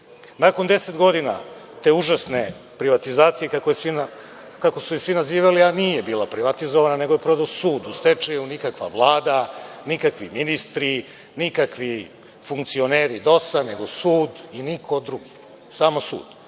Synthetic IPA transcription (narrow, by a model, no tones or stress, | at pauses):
nako̞nd̪e̞set̪ɡo̞d̪ina̰ | t̪e̞uʒasne̞ | pɾiʋat̪izaːt̪sijekakoesʋina | kako̞suisʋinaziːʋalianijebiːlˠapɾiʋat̪izoʋanane̞ɡo̞jepɾod̪aosuːd̪ust̪et͡ʂejunikakʋa̰ʋvlˠaːd̪anikakʋiminist̪ɾi | nikakʋi | fuŋkt̪sio̞neːɾid̪o̞saneɡo̞suːd̪inikʰo̞d̪ɾuɡi | saːmosṵːd̪